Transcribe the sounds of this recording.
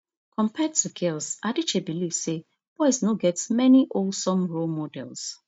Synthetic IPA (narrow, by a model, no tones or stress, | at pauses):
kʰɔ̃mpʰɛdtuɡelsadit͡ʃebiliv̥se | b̥ɔɪsnoɡɛtmɛniʔosɔ̃mɹomɔdɛ̰lˠs